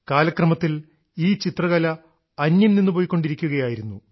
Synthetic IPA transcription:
kaːlɐkrɐmɐt̪ːil | iːt͡ɕit̪rɐɣɐlɐ | ɐnːjilninːɨpo̞ːjkːo̞ɳɖiɾikʲːuɣɐjaːjiɾunːu

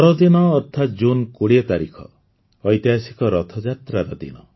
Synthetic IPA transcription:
ɔɾɔd̪inɔːɾt̪ʰat̪d͡ʒunkoɽiɔt̪aɾikʰɔ̰ː | jt̪jaɦasikɔɾɔt̪ʰɔd͡ʒat̪ɾaɾɔd̪ḭnɔ

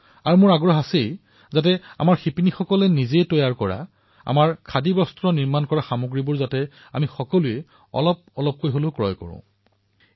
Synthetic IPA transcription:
aɹumʊɹaɡɹɔɦasej | zat̬ɛa̰maɹxipinixɔkɔlɛnizejtɔjaɹkɔɹa̰ | a̰maɹkʰadibɔstɹɔniɹmankɔɹaxamoɡɹibʊɹzatɛ | amixɔkɔlujɛ | ɔ̰lɔp̚ɔlɔp̚kojɦolʊkɹɔjkɔ̰ɹʊ̰̃

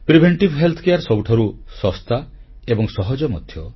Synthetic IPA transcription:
pɾibʱeɳʈibʱɦelt̪ʰɔkejaɾsɔbuʈʰaɾusɔst̪a | ebɔŋsɔɦɔd͡ʒɔmɔd̪ʱjɔ

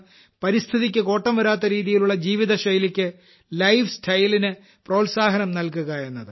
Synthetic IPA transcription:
pɐɾist̪ʰiðikʲːɨko̞ːʈːɐmʋɐɾaːt̪̬ːɐɾiːðijiluɭːɐd͡ʑiːʋiðɐɕɐjlikʲːɨ | lɐjʋsʈʰɐjlinɨ | pro̞ːlsaːɦɐnɐmnɐlkuɣɐe̞nːɐðɨ

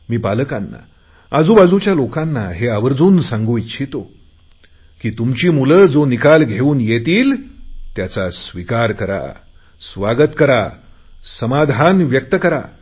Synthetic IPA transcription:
miːpaləkanːa̰ | ad͡zuːbad͡zut͡ɕjalokãnːaɦeaʋəɾd͡zuːnsãŋɡuːjt͡ɕʰit̪o | kiːt̪umt͡ɕiːmuləd͡zonikalɡʱeuːnjet̪iːlt̪jat͡sasʋikaɾkəɾa̰ | sʋaɡət̪kəɾa | səmad̪ʱanʋjək̚t̪əkəɾa̰

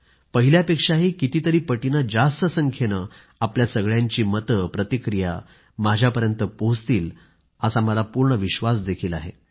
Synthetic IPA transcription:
pəɦiljapekʂaɦiːkit̪iːt̪əɾiːpəʈinad͡zast̪əsəŋkʰenə | apljasəɡɭjaɲt͡ɕiːmət̪əpɾət̪ikɾija̰ | mad͡ʑʱjapəɾjənt̪əpoɦt͡st̪iːl | əsaməlapuɾɳəʋiɕʋasd̪ekʰiːlaɦḛ

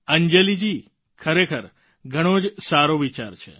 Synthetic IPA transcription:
əɲd͡ʒelid͡ʒi | kʰəɾekʰəɾ | ɡʱəɽ̃od͡ʒsaɾoʋit͡ʃaɾt͡ʃʰḛ

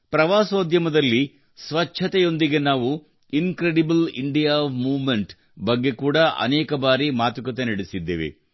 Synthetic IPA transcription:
pɾɐʋaːsoːd̪ʱjɐmɐd̪ɐlːi | sʋɐt͡ʃʰɐt̪ɛjo̞nd̪iɡe̞naːʋu | inkɾeɽibɐlḭɳɖijaʋmuːʋmeɳʈ | bɐɡːe̞kuːɽɐʔɐ̰nɛːkɐbaːɾimaːt̪ukɐt̪enɐɽesid̪ːḛːʋḛ

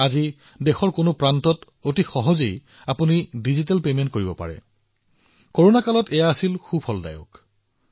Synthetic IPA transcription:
azi | dɛxɔɹkonopɹantɔt | otixɔɦɔzej | apunidizit̬ɛlpement̚koɹibɔpa̰ɹɛ̰ | koɹonakalɔtɛjaːsilxubʱhɔlda̰jʊ̰k

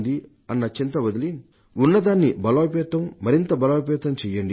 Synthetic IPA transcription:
d̪i | ɐnːɐt͡ʃint̪ɐʋɐd̪ɐlin | unːɐd̪aːnːibɐloːpɛːt̪ɐmːɐɾint̪ɐbɐlaːpɛːt̪ɐmt͡ʃɛːjɐɳɖi

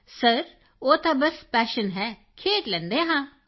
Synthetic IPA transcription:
səɾ | oːt̪abəspɛːʃənɦɛ | kʰeːʈlɛ̃nd̪eɦãː

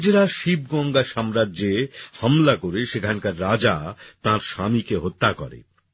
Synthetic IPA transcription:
d͡ʑeɾaʃibɡɔŋɡaʃamɾadd͡ʑehamlakoɾeʃekʰankaɾːad͡ʑat̪ãɾʃamikeɦot̪ːakɔ̰ɾḛ

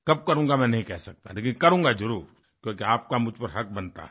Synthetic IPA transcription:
kɐb̚kɐɾũːŋɡamɛ̃nɐɦĩkɛɦsɐk̚t̪aleːkɪ̃nkɐɾũːŋɡad͡ʒɐɾuːɾ | kjõkiaːp̚kamʊd͡ʒpɐɾɦɐk̚bɐnt̪a̰ɛ

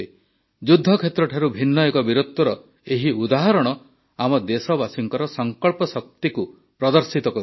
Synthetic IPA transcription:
e | d͡ʒud̪ʱːɔkʰet̪ɾɔʈʰaɾubʱinːɔekɔbiɾut̪ːɔɾɔ | eɦiud̪aɦɔɾɔɽ̃ɔ | amɔd̪esɔbasiŋkɔɾɔsɔŋkɔɭpɔsɔk̚t̪iku | pɾɔd̪ɔɾsit̪ɔkɔ

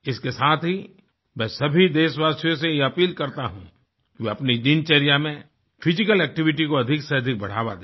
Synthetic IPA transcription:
ɪskesaːt̪ʰɦi | mɛ̃ːsɐbʱid̪eːʃwaːsjõs̬ejeɐpiːlkɐɾt̪aɦṵ̃ | keɐpnid͡ʒɪnt͡ʃɛɾijamẽ | pʰɪd͡ʒɪkəlɛːk̚ʈɪʋɪʈikoɐd̪ʱɪkseɐd̪ʱɪk̚bɐɽ̤a̰ːwa̰d̪

